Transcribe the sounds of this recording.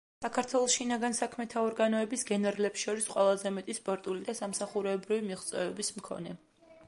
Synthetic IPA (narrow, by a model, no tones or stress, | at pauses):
sakʰaɾt̪ʰwɛlˠɔsʃinaɡansakʰmɛt̪ʰaɔɾɡanɔɛbisɡɛnɛɾlɛpsʃɔɾisqʼwɛlˠazɛmɛt̪ʼispʼɔɾt̪ʼulid̪asamsaχuɾɛbɾivimiʁt̪sʼwɛvɛbismkʰɔ̰nɛ